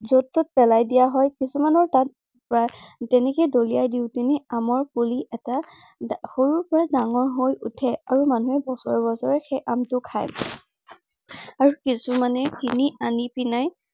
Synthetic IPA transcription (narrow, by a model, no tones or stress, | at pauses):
zotːʊt̚pɛlajdijaɦɔjkisumanɔɹtat̚ | pɹatɛnɛkɛdolijajdiʊtinɛamɔɹpuliʔɛta | xoɹuɹpɔɹadaŋɔɹɦojʔṵtʰɛaɹumanuɛbɔsɔɹbɔsɔɹɛxɛʔamtʊkʰa̰j | aɹukisumanɛkʰinianipinaj